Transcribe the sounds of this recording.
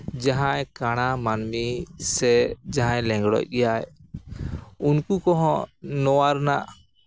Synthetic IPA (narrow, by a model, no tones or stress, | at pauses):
d͡ʒaɦãjkaɽ̃amanmisɛd͡ʒaɦãjlɛ̃ŋɡɽɔ̰c̚ɡɛjaj | unkukɔɦɔ̃nɔwaɾnaʔ